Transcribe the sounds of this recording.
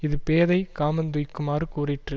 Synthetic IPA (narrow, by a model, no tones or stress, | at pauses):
ɪðɯpeːðɐɪkaːmɐnd̪ʊjkːɯmaːɾɯkuːrɪʈrɯ